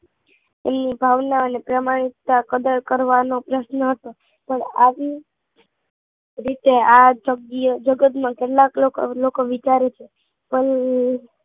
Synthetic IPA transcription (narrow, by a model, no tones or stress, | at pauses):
ḛmnibʱaʋnaənepɾəmaɽ̃it̪ːakəd̪əɾkəɾʋanopɾəsnəɦət̪o | pəɳaʋi | ɾit̪ead͡ʒəid͡ʒəɡət̪mãkeʈlaklokolokoʋit͡ʃaɾet͡ʃʰe | pəl